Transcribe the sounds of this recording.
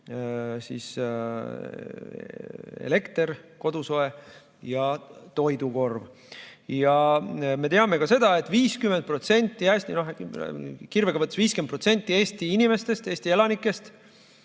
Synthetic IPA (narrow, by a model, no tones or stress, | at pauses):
sḭs | ḛle̞kt̪eɾko̞d̪̥uso̞e̞ | jɑt̪o̞jd̪uko̞rv | jɑme̞t̪eɑme̞kɑse̞d̪̥ɑe̞t̪ːˑviːskymend̪̚pro̞t̪se̞nʲt̪ːˑiæːsʲt̪ino̞ɦ | kirveɡ̥ɑvɤt̪ːˑe̥viːskend̪pro̞t̪se̞nʲt̪ːˑie̞ːst̪iinʲime̞st̪e̞st̪e̞ːsʲt̪ie̞lɑnikːˑe̞st̪